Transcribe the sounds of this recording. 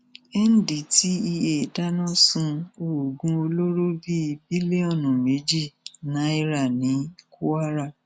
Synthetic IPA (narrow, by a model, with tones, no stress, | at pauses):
ɛ˦n̩˦di˨ti˦i˧e˨da˦nɔ̃˦sũ˧o˨ɡũ˨˧˦o˧lo˦ɾo˦bi˦˧bi˦li˦e˦ɔ˦˨nũ˨me˨˦d͡ʒi˦˨nã˨˦i˦˧ɾa˦˨nĩ˨˦ku˦a˦ɾa˦˨